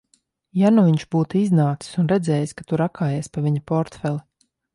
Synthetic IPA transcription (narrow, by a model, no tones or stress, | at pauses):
januviɲʃbuːt̪uiznaːt̪si̥sunɾɛd̪zɛːjaskat̪uɾakʰaːjeɛspaviɲapɔɾt̪fɛlˠi